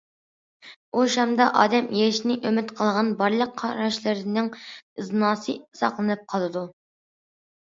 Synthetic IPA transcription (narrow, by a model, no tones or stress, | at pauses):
oʃɑmd̪ɑʔɑ̰ːd̪ɛmjeɾɪʃnɪʔømɪt̪qʰəlˠʁɑnbɑɾlˠəqʰːɑɾɑʃlˠɨɾnɪŋɨznɑːsɨɨzɑ̰qlˠɨnɨp̚qʰɑlˠɨd̪u